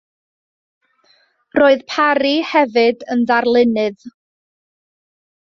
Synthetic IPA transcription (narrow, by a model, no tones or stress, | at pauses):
roːɨðpʰaɾihɛvɨdənðarlˠɪnɨð